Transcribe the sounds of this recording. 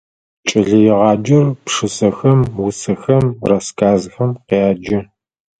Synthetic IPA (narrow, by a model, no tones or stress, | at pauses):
t͡ʃʼɪɮɐjɪʁɑːd͡ʒɪrpʂɨsɐxɐmwʊsɐxɐmrɐskʰaːzxɐmqeaːd͡ʒɪ